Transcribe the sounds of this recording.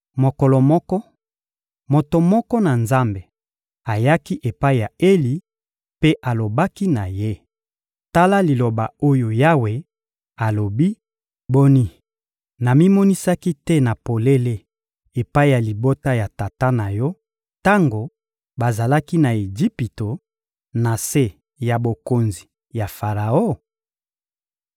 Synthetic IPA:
mo˨kɔ˨lɔ˨mɔ˦kɔ˦ | mo˨to˨mɔ˦kɔ˦na˨nza˦mbe˨ | a˨ja˦ki˦ʔe˨pa˦i˨ja˨e˦li˨ | pe˦ʔa˨lo˨ba˦ki˦na˨je˦ | ta˦la˦li˨lo˨ba̰˨o˦jo˨ja˦we˨ | a˨lo˨bi˦ | bo˦ni˦ | na˨mi˦mɔ˦ni˦sa˦ki˦tɛ˦na˨po˨le˦le˦ | e˨pa˦i˦ja˨li˨bo˦ta˦ja˨ta˨ta˦na˨jɔ˦ | ta˦ŋɡo˨ | ba˨za˨la˦ki˦na˨e˨d͡ʒi˦pi˨to˨ | na˨se˦ | ja˨bo˨ko˨nzi˨ | ja˨fa˨ʁa˨o˦

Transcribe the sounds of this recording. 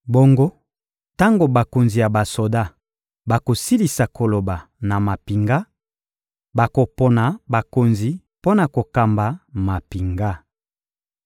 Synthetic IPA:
bo˦ŋɡo˦ | ta˦ŋɡo˨ba˨ko˨nzi˨ja˨ba˨so˨da˦ | ba˨ko˨si˦li˨sa˨kʰo˨lo˨ba˨na˨ma˨pi˨ŋɡa˦ | ba˨ko˨po˨na˨ba˨ko˨nzi˨ | po˦na˨ko˨ka˨mba˨ma˨pi˨ŋɡa˦

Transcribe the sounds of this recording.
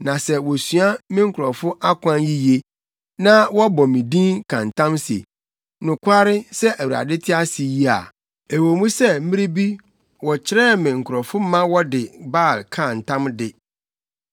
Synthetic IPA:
nã˨sɛ˦wɔ˨sɥa˦mɪ̃˦ŋ̩˦kʰʊ˨ɾɔ˨fʊ˦ʔa˦kʷʰã˦nji˦je˦ | nã˦wɔ˦bɔ˨mĩ˨dĩ˦nkʰã˨n̩˨tʰã˦msḛ˨ | nʊ̃˨kʰʷa˦ɾɪ˦sɛ˦ʔæ˨wu˨ɾa̰˨dɪ˦tʰɪ˦a˦si˨ji˦a̰˨ | e˨wo˨mũ˦sɛ˦m̩˦mĩ˦ɾi˦bi˦ | wɔ˨t͡ɕʰɪ˦ɾɛː˦mɪ̃˨ŋ̩˨kʰʊ˨ɾɔ˨fʊ˦mã˦wɔ˦dɪ˨baː˦˨lkʰã˨n̩˨tʰã˦mdɪ˨

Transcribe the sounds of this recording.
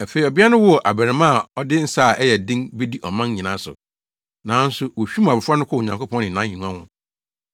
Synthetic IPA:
æ˨fe˨i˨ɔ˨bi˦a˦nʊ̃˦wʊ˦ɔ˨ʔa˨bæ˨ɾɪ˨mã˦˨ɔ˦dɪ˦n̩˦saː˦˨ɛ˦jɛ˨dɪ̃˦nbe˦di˦ʔɔ˨mã˦n˦ɲĩ˨nã˦sʊ̰˨ | nãː˨˦n̩˦sʊ˦wo˨ɕᶣi˦m˨a˨ɪ˨fʊ˦a˦nʊ̃˦kʰɔ˦˨ɲã˨ko˦pʰɔ̃˦nɪ̃˨nã˨˦ɲĩ˨nũ˦ã˦hʊ̰̃˨

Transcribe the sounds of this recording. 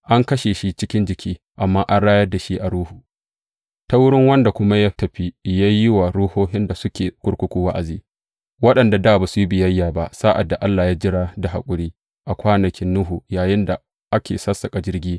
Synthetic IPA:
ʔa˦ŋkɐ˦ʃe˨ʃi˦t͡ʃɪ˦kʲɪ˦nd͡ʒɪ˨kʲʰiː˦ | ʔa˨mːaː˦ʔa˦nɽaː˦jɐ˦dːa˨ʃi˦ʔa˨ɽuː˦hu˨ | ta˦wʊ˦ɽɪ˦ŋwɐ˦nda˨kʷʊ˦ma˦jaː˦tɐ˨ɸi˦ja˦jɪ˦wa˨ɽuː˦hoː˦ɦɪ˦nda˨sʊ˦kʲeː˨kʷʼʊ˦ɽkʷʊ˦kʷuː˦wa˦ʔa˨ziː˦ | wɐ˦ɗɐ˨nda˨daː˦˨baː˨su˨ji˦bɪ˨jɐ˦jːaː˨ba˦saː˦ʔa˨dːa˨ʔa˦lːaː˨jaː˦d͡ʒɪ˦ɽaː˦da˨ɦa̰˨kʷʼʊ˦ɽiː˦ | ʔa˨kʷaː˦nɐ˨kʲɪ˦nːʊ˦ɦu˨jaː˨jɪ˦nda˨ | ʔa˦kʲḛː˨sɐ˦sːɐ˨kʼa˨d͡ʒɪ˦rɡʲiː˦

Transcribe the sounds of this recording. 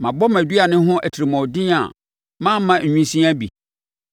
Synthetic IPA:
mã˨bɔ˦mæ˨dɥa˨nɪ̃˦ɦʊ̃˦ʔæ˨tʰi˨ɾi˨mɔ̃˨dɪ̃˦a̰˨ | mã˦m˦mã˨ɲᶣũ˦sĩ˦a˦bḭ˨

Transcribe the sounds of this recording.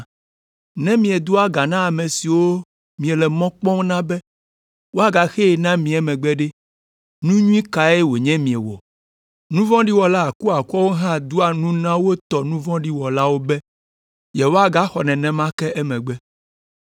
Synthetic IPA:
nɛ̃˦mĩ˨ɛ˨d̪u˦a˦ɡa˨nã˦a˨mɛ̃˨si˨wo˦ | mĩ˨ɛ˨lɛ˨mɔ̃˦k͡pɔ̃˦nã˦bɛ˦ | wo˦a˨ɡa˨xɛ˦ɛ˨nã˦mĩ˨ɛ˨mɛ̃˨ɡ͡bɛ˦ɖe˦ | nũ˦ɲũ˦ĩ˦ka˨e˦wo˨ɲɛ̃˦mĩ˨ɛ˨wɔ̰˨ | nũ˦vɔ̃˦ɖi˦wɔ˨la˦a˨ku˦a˨ku˦ɔ˦wo˦ɦã˦d̪u˦a˨nũ˦nã˦wo˦t̪ɔ˨nũ˦vɔ̃˦ɖi˦wɔ˨la˦wo˦bɛ˦ | jɛ˨wo˦a˨ɡa˦xɔ˨nɛ̃˨nɛ̃˦mã˦kɛ˦ʔɛ˦mɛ̃˨ɡ͡bɛ˦

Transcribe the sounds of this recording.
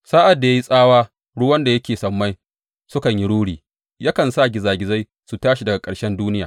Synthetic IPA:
saː˦ʔa˨dːa˨jaː˦ji˦sʼaː˦waː˦ | ɽʊ˦wɐ˦nda˨jɐ˦kʲeː˨sɐ˨mːa˦j | sʊ˦kɐ˨ɲji˦ɽuː˦ɽiː˨ | ja˦kɐ˨nsa˦˨ɡʲɪ˨zaː˨ɡʲɪ˨za˦j | su˨taː˦ʃi˨dɐ˨ɡa˨kʼɐ˨ɽʃɛ˦nduː˦nɪ˦jaː˨

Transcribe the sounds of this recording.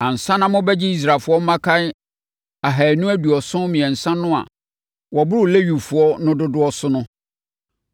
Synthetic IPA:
ã˨n̩˨sã˦nã˦mʊ̃˦bɛ˦d͡ʑɪ˦i˦s̬ɾa˨fʊ˨˦ɔ˦m̩˦mã˦kʰa˦ɪ˦ | a˨ɦæ˨nũ˦æ˦du˨ɔ˨sʊ̃˦mĩ˨ɛ̃˨n̩˨sã˦nʊ̃˦a̰˨ | wɔ˨bʊ˦ɾʊ˦˨le˦ɥu˨fʊ˨ɔ˦nʊ̃˦dʊ˦dʊ˦ɔ˦sʊ˦nʊ̃˦

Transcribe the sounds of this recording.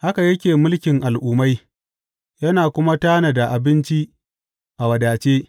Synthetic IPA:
ha˦ka˨jɐ˦kʲeː˨mʊ˦lkʲɪ˨ŋʔa˨lʔuː˦ma˦j | jɐ˦naː˨kʷʊ˦ma˦taː˦na˨da˨ʔa˨bɪ˦nt͡ʃi˦ | ʔa˨wɐ˨daː˨t͡ʃeː˦

